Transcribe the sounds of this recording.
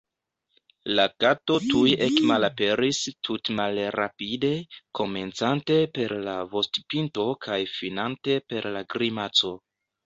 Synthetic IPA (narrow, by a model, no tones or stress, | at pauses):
lakato̞tujekmalape̞ɾistʰutmalɾa̰pide̞ko̞me̞nt͡sante̞pe̞ɾlavo̞stpinto̞kʰajfinante̞pe̞ɾlaɡɾimat͡so̞